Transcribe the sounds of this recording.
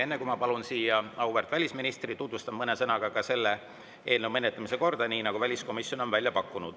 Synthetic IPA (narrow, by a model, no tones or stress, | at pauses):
e̞nːe̞kumɑpɑlunsiːjɑɑuveɾrt̪vælʲisminist̪rit̪ut̪vust̪ɑmmɤnesɤnɑɡ̥ɑkɑse̞lːe | e̞ːlneumenːet̪ːˑɑmise̞ko̞rd̪̥ɑniːnɑɡ̥uvælʲisko̞misːjo̞no̞nvælʲjɑpɑkːunud̪̥